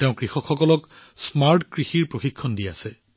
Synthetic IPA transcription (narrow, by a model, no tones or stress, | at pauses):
teʊ̃kɹixɔkxɔkɔlɔksmaɹtkɹixiɹpɹoxikʰːɔndiasɛ